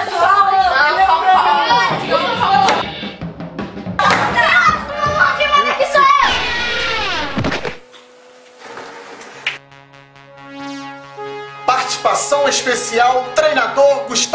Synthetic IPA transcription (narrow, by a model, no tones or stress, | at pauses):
ɾa | pɾimẽd̪ekisɛ | paɾt͡ʃi̥si̥pasɐ̃w̃eʃpesiawt̪ɾejnad̪oɾɡuʃt̪